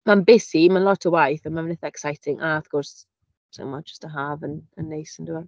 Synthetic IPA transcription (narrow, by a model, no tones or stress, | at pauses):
manbɪsimanlɔtʰəwajθənmamnɪθaɛksajtʰɪŋʔaəfkʰɔrs | sʰa̰mɔd͡ʒəstʰəɦavənənːejsəndua